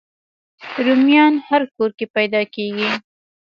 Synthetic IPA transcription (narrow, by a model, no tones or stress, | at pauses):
ɾumjɑnhaɾkoɾkepajd̪ɑkeɡi